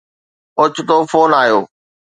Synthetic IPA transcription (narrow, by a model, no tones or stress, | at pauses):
ʊt͡ɕʰʊt̪oːfoːnaːjo̰ː